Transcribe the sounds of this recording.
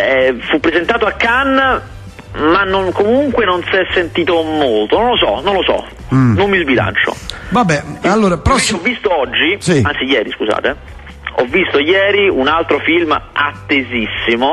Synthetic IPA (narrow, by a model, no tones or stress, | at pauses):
ɛfupːɾezent̪aːt̪oakːanː | manːonkomuŋkwenonsɛsːent̪iːt̪omolt̪onõnlosɔ̰nõnlosɔ̰ | nomːizbila̰nt͡ʃo̰vabːɛalːoːɾapɾɔsːɔvːist̪oɔd͡ʒːisiant̪sijɛːɾiskuza̰ːt̪e | ɔ̰vːist̪ojɛːɾiunalt̪ɾofilma̰t̪ːezisːimo